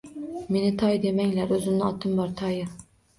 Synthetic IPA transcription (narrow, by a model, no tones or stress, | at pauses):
menɪt̪ʰɑjd̪emɛŋlæɾøzɪmnɪɑt̪ʰɨmbɑɾt̪ʰɑjɨ